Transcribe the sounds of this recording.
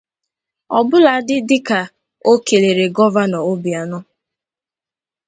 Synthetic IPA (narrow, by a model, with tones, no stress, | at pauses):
ɔ˨bʊ˦la˨˦dɪ˦dɪ˦ka˨ | o˦ke˨le˨ɾe˨ɡɔ˦va˦nɔ˨o˦bi˨a˨nɔ˦